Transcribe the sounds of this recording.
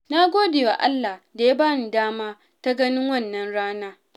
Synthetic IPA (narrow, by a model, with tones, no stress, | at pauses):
na˦ɡʷoː˦deː˨wa˨ʔa˦lːa˨hda˨ja˦baː˦ni˨daː˦maː˦ | ta˦ɡɐ˦nɪ˦ŋwɐ˦˨nːɐ˦nɽaː˦naː˦